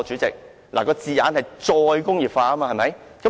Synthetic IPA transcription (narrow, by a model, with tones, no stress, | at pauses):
t͡ʃyː˨˥t͡sɪ˨k̚ | lʔaː˨˩kɔː˧t͡siː˨ja̰ː˨˥nhɐ˨jt͡sɔː˧jkʊ˥ŋjiː˨˩p̚faː˧kɐː˥maː˧hɐ˨jmɐ˨˦jkɐ˨˦